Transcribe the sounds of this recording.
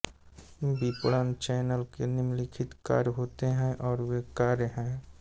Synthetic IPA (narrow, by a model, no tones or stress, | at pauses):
biːpɽənt͡ʃɛːnəlkenɪmlikʰɪt̪ka̰ːɾjɦoːt̪eɦɛ̃ʔɔːɾʋekaːɾjəɦɛ̃ː